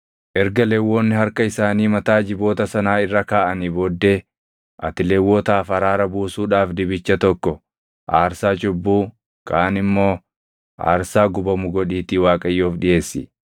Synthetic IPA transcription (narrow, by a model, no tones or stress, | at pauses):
ʔɛɾɡɐlewːoːnːɪɦɐɾkɐɪsaːniːmɐt̪aːd͡ʒɪbo̞ːt̪ɐsɐnaːɪrːɐkaːʔɐnibɔd̪ːe̞ː | ʔɐ̰t̪ɪlewːot̪aːfɐɾaːɾɐbuːsuːᶑaːfd̪ɪbɪt͡ʃːɐt̪ɔkːɔ | ʔaːɾsaːd͡ʒʊbːuː | kʰaːnɪmːo̞ː | ʔa̰ːɾsaːɡʊbɐmʊɡɔᶑiːt̪iːwaːkʼɐjːoːfᶑɪje̞ːsːɪ̰